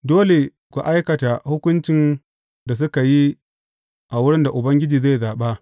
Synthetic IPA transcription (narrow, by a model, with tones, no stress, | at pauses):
doː˦le˨ | kʷu˨ʔa˦jkɐ˨ta˨hʊ˦kʷʊ˦nt͡ʃɪ˨n | da˨s̬ʊ˦ka˨ji˦ | ʔa˨wʊ˦ɽɪ˦nda˨ʔʊ˨bɐ˦ŋɡʲɪ˦d͡ʒiː˨zaː˦˨zaː˨ɓa˦